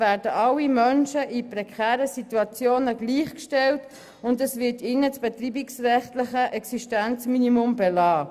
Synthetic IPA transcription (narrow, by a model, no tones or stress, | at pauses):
væːdəʔɑlːimœnʃəʔipɾɛkʰɛːɾəsituɑt͡sjoːnəɡliːχkʃtɛlt | ʊndɛsvɪtɪnət͡sb̥ɛtriːbiksrɛχtlɪχəʔɛksiʃtænt͡sminimʊmbɛlɑː